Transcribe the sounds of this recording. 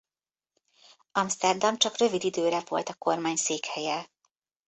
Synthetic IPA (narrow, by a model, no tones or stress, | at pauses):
ɒmst̪ɛrd̪ɒmt͡ʃɒkrø̞vid̪id̪øːɾɛvo̞̰lt̪ɒko̞rmaːɲseːkhɛjɛ